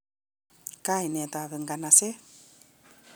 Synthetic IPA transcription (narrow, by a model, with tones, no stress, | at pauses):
ka˦i˨nɛ˨t̪a˨βɛ˨ŋɡa˨na˨se˦